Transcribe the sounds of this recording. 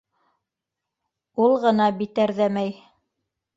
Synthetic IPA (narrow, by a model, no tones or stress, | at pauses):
ulˠʁɤ̆nɑbit̪æɾðæmæj